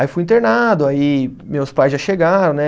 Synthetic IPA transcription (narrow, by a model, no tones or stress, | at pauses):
aifujĩnt̪eɾnad̪ʊaimewspajzʒaʃeɡaɾɐ̃w̃nɛ